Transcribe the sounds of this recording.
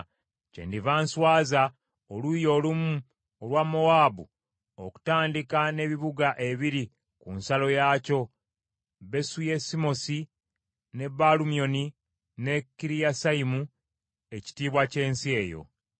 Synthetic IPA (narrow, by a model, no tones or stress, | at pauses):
cḛndivaːnswaːza | olujo̞ːlumu | olwamːowaːbu | oku̥taːndikane̞βiβuɡaʔe̞βiɾi | kunsalo̞jaːco̞ | βe̞sujesimo̞si | ne̞balumijo̞ni | ne̞kːiɾijasaimu | e̞ci̥tiːβwace̞ːnsie̞ːjo̞̰